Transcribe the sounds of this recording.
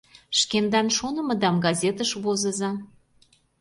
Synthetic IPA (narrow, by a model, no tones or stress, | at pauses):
ʃkend̪ɑnʃonə̆məd̪ɑmɡɑzʲet̪əʃβozə̆zɑ